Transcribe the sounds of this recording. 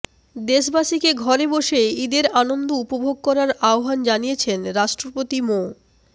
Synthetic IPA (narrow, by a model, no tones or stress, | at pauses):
d̪eʃbaʃikeɡʱɔɾeboʃeid̪eɾanond̪oupobʱoɡ̚kɔɾaɾaoɦand͡ʑanijet͡ɕʰenɾaʃʈɾopot̪imo